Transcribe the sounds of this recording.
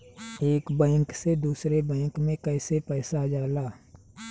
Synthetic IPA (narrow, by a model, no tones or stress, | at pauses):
eːkbɛ̃ːŋksed̪uːsɾebɛ̃ːŋkmẽkɛːsepɛːsad͡ʒaːlaː